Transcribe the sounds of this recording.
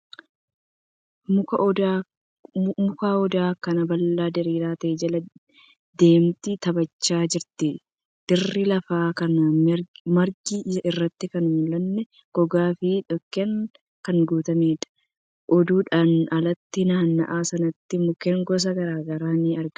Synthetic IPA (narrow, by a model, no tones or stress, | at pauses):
mʊ | mʊkaːɔd̪aːkɐnɐbɐlːaːd̪ɛɾiːɾaːt̪ɐʔɛd͡ʒɐlɐ | d̪̥e̞ːmt̪ɪt̪ɐbɐt͡ʃːaːd͡ʒɪɾt̪ɪ | d̪̥ɪrːɪlɐfaːkɐn | mɐɾɡiːʔɪrːɐt̪ːɪkɐnmʊlɐnːɛ | ɡ̥ɔɡaːfɪᶑɔkːɛŋ | kɐŋɡuːt̪ɐmeːᶑɐ̥ | ʔɔd̪uːᶑaːnɐlɐt̪ːɪnaːnːɐ̰ʔaːsɐnɐt̪ːɪmʊkɛŋɡɔs̬ɐɡɐɾaːɡɐɾaːniːɐɾɡ